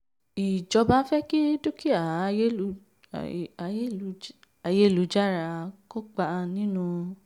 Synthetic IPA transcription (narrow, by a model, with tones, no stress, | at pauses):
i˨d͡ʒɔ˧ba˨˦fɛ˦ki˦du˦ki˦a˨˦˧je˦˨˦ | a˨je˦˨lu˨˦d͡ʒa˦ɾa˨˧ko˦k͡pa˧nĩ˦nũ˧